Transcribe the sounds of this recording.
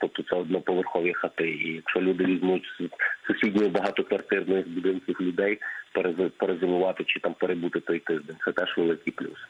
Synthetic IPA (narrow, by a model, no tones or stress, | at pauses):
t̪ɔp̚t̪ɔt̪sɛɔd̪nɔpɔʋerxɔʋʲixɐt̪ɪijɐkʃɔlʲud̪ɪʋʲizʲnujʊtʲssʊsʲidʲnʲijʊbɐɦɑt̪ɔkʋɐrt̪ɪrnɔjɪxbʊd̪ɪnkʲiwlʲʊd̪ɛjpeɾezpeɾezɪmʊʋɑt̪ɪt͡ʃɪt̪ɑmpeɾebut̪ɪt̪ɔjt̪ɪʒd̪enʲt̪sɛt̪ɛʒʋelˠɪkʲɪjplʲṵs